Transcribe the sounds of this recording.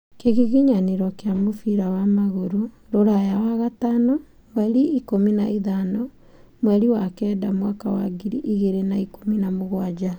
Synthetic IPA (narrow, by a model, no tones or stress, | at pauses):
keɣiɣiɲaneɾɔkeamofiɾawamaɣoɾo | ɾoɾajawaɣatanɔ | mwɛɾiikomina̰iðanɔ | mwɛɾiwakɛːdamwakawa̰ɡiɾiʔiɣeɾenaikominamoɣwad͡ʒa